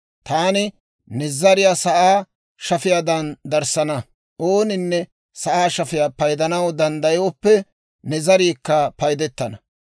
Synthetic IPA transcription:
t̪aːnɪ | nɛzɐɾɪjasɐʔaː | ʃɐfɪjaːd̪ɐnd̪ɐɾsɐnɐ | ʔoːnɪnːɛ | sɐʔaːʃɐfɪjaːpɐjd̪ɐnɐwd̪ɐnd̪ɐjoɔpːɛ | nɛzɐɾiːkːɐpɐjd̪ɛt̪ːɐnɐ

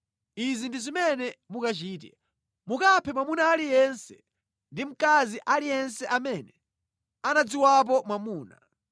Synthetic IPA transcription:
izindizimɛnɛmukat͡ʃiːt̬ɛ̰ | mukapʰɛmwamunaːlijɛnsɛ̥ | ndim̩kaziʔalijɛnsɛʔamɛnɛ | anad͡ziwap̬ɔmwamuːna̰

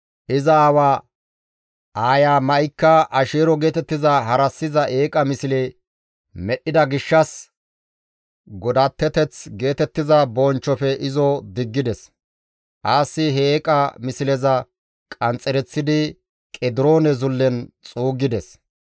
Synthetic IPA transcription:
ʔɪzɐaːwaː | ʔaːjaːmɐjkːɐʔɐʃeːɾɔɡe̞ːt̪ɛt̪ːɪzɐɦɐɾɐsːɪzɐʔe̞ːkʼɐmɪsɪle | mɛɗːɪd̪ɐɡɪʃːɐs | ɡɔd̪ɐt̪ːɛt̪ɛt͡sɡe̞ːt̪ɛt̪ːɪzɐbɔnt͡ʃːɔfɛʔɪzɔd̪ɪɡːɪd̪ɛs | ʔaːsːɪɦeːkʼɐmɪsɪlɛzɐ | kʼɐnt͡sʼɛɾɛt͡sːɪd̪ɪ | kʼɛd̪ɪɾoːnɛzʊlːɛnt͡sʼuːɡːɪd̪ɛs

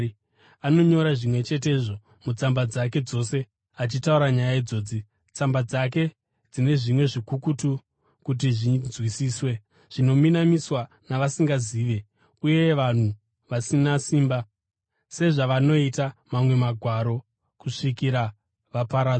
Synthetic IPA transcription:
ano̞ɲo̞ɾaʐimwe̞t͡ʃe̞t̬e̞ʐo̞ | mut͡sambad͡zake̞d͡zo̞se̞ | at͡ʃitauɾaɲajaid͡zo̞ːd͡zi | t͡sambad͡zak̬e̞ | d͡zine̞ʐimwe̞ʐikukutu | kut̬iʐinzwisiːswe | ʐ̥ino̞minamiswa | naʋasiŋɡaziːʋe̞ | uje̞ʋan̤u | ʋasinasiːmba | se̞ʐaʋano̞itamamwe̞maɡʱwaɾo̞ | kuʂikiɾa | ʋapaɾa

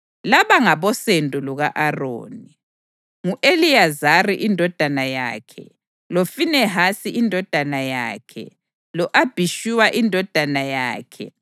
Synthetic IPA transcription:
laβaŋaβɔsendʱʼuluɣaʔaro̰ːni | ŋuʔelijazariʔindʱɔd̥ʱanaja̰ːkʰɛ̰ | lofinɛɦasiʔindʱɔd̥ʱanaja̰ːkʰɛ̰ | lɔʔab̥ʱiʃiwaʔindʱɔd̥ʱanajaːkʰɛ̰

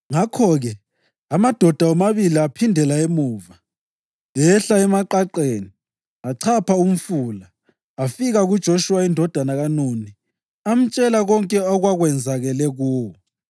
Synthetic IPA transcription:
ŋakʰɔɣɛ | amad̥ʱɔd̥ʱawɔmaβiliapʰindʱɛlaemuːva | ɛɬaɛmaǃaǃeːni | aǀʰapʰaum̩fulaː | fiɣaɣud̥ʒ̥ʱoʃuwaindʱɔd̥ʱanaɣanoni | am̩t͡ʃʼɛlaɣɔŋkʼɛɔɣwaɣwɛnd͡zʱaɣɛlɛɣɔ

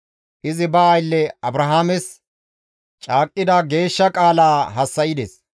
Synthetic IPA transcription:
ʔɪzɪbɐːjlːɛɐbɾɐɦaːmɛs | t͡ʃʼaːkʼːɪd̪ɐɡe̞ːʃːɐkʼaːlaːɦɐsːɐjɪd̪ɛs

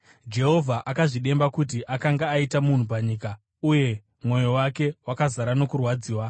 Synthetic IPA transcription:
d͡ʒe̞ɦo̞vʱaʔakaʐiɗe̞mbakutiʔakaŋɡaːitamun̤up̬aɲiːka | uje̞ | mwo̞jo̞wake̞wakazaɾano̞kurwad͡ziːwa

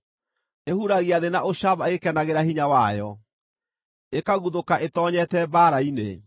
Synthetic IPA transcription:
ehuɾaɣiaðenaʔoɕaβaekɛnaɣeɾahiɲawajɔ | ekaɣuðokaʔetɔːɲɛtɛbaɾainḛ

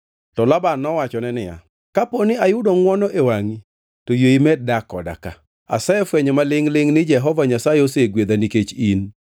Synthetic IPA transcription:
tɔlabanːɔwat͡ʃɔnɛnɪja̰ | kaponɪajʊdoŋwɔnɔʔewaŋi | tojoimɛdakɔda̰ka̰ | a̰sɛɛfwɛɲɔmalɪŋlɪŋnɪd͡ʒɛɦɔvaɲasajɛoseɡwed̪aniket͡ʃin

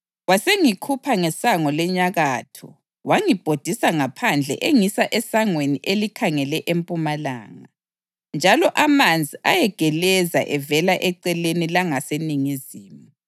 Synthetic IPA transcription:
ɣwaseŋikʰupʰaŋɛsaŋɔlɛɲaɣatʰɔ̰ | waŋib̥ʱod̥ʱisaŋapʰand͡ɮʱɛ̰ʔeŋisaʔɛsaŋweniʔelikʰaŋɛlɛʔempʼumala̰ːŋa | nd͡ʒʱalɔʔamand͡zʱiʔajɛɡ̥ʱɛlɛza̰ʔɛvɛlaʔɛǀɛlenilaŋaseniŋiziːmu

